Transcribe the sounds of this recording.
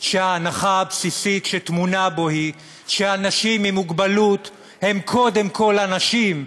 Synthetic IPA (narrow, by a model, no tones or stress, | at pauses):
ʃeaːnaχaːbsisitʃetmunabo̞hi | ʃeanaʃimːimuɡbalut | he̞mkʰo̞de̞mkʰo̞lanaʃim